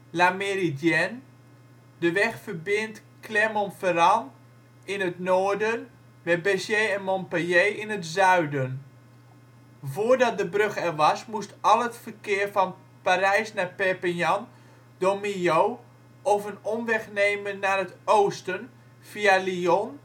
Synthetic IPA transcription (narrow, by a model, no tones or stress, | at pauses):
lameridjɛn | dəʋɛxfərbɪnt | kʰlɛmɔnfərɑn | ɪnətnoːɹdən | mɛt̚bɛsjeːɛnmɔmpəjeːɪnətzœɥdən | voːrdɔt̚dəbrøxɛrʋɑsmustɔlˠətfərkɪːrfɔn | parɛjsnapɛpɪnjɑn | d̥ominjoː | ɔfənɔmʋɛxneːmənaːrətoːstən | fialion